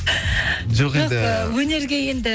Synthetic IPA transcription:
d͡ʒoqed̪ɪəwɵne̞ɾɡʲeje̞nd̪ɪ

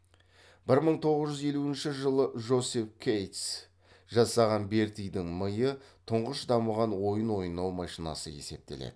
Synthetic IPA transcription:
b̥ɪɾməɴt̪ʰo̞ʁəzʒʏze̞luɪnʃɪʒəlˠəʒo̞sefkʲʰejt̪s | ʒɑsɑʁɑnbe̞ɾt̪ijd̪ɪŋməjət̪ʰʊɴʁəʃd̪ɑməʁɑnwo̞jənwo̞jənɑwmɑʃinɑ̰səe̞̰se̞p̚t̪e̞lḛd̪̥ɪ

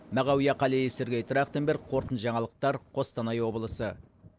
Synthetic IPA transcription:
mæʁɑwijɑqʰɑlejefsɪɾɡʲejt̪ʰɾɑkt̪əmbeɾqʰo̞ɾt̪ənʒɑɴɑlˠəq̚t̪ɑɾqʰo̞st̪ɑnɑjwo̞blˠəsə

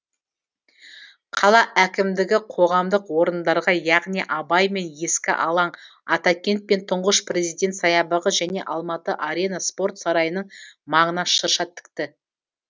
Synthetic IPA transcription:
qʰɑlˠɑʔækʲɪmd̪ɪɡʲɪqʰo̞ʁɑmd̪əqwo̞ɾənd̪ɑɾʁɑjɑʁnijʔɑbɑjme̞nje̞skʲɪ̰ʔɑlˠɑɴ | ɑt̪ɑkʲe̞nt̪̚pe̞nt̪ʰʊɴʁəʃpre̞zijd̪e̞nt̪sɑjɑbəʁəʒæne̞̰ʔɑlˠmɑt̪əʔaɾʲe̞naspo̞ɾrt̪sɑɾɑjənəɴmɑɴənɑʃəɾʃɑt̪ʰːɪ̥k̚t̪ɪ

